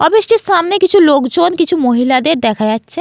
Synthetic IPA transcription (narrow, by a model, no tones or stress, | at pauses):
ɔbɪskesaːmnekɪt͡ʃʰuloːkd͡ʒoːnkɪt͡ʃʰumoɦilad̪eːɾd̪ɛːkʰajat͡ʃːʃʰɛ